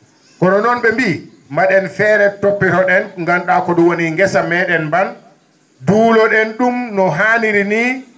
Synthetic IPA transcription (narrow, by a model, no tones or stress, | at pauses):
kɔnɔnɔnɓɛmbi | maɗɛnfɛːɾɛtopːiɾɔɗɛnŋɡanɗakɔduwoniŋɡɛsamɛːɗɛnmban | duːlɔɗɛnɗumnɔɦaːniɾini